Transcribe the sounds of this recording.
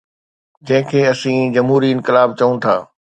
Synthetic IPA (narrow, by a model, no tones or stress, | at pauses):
d͡ʑɐ̃ɦɪ̃kʰeːɐsĩd͡ʑɐmɦuːɾiɪ̃nkɪlaːb̚t͡ɕɐũt̪ʰa̰ː